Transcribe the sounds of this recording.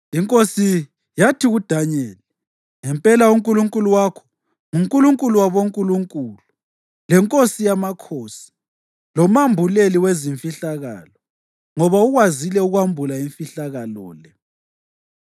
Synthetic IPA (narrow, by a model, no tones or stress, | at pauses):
iŋkʼosi | jatʰiɣud̥ʱaɲɛːlɛ | ŋɛmpʼɛlauŋkʼuluŋkʼuluwakʰɔ̥ | ŋuŋkʼuluŋkʼuluwaβoŋkʼuluŋkʼulu | lɛŋkʼosijamakʰosi̥ | lɔmambʱuleliweziɱfiɬaɣa̰ːlɔ | ŋɔβauɣwazilɛuɣwambʱulaiɱfiɬaɣalɔːlɛ